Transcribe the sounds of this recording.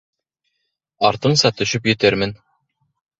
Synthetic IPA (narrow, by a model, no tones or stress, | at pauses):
ɑɾt̪ɤɴsɑt̪ɵ̆ɕɵpjɵ̆t̪ɘɾmɘn